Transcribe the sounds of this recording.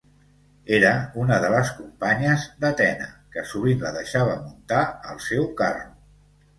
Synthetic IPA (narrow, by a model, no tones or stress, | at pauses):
eɾəunəðələskumpaɲəzd̪ət̪ɛnə̰kəsuβinləðəʃaβ̞əmunt̪aəlˠsɛwkaru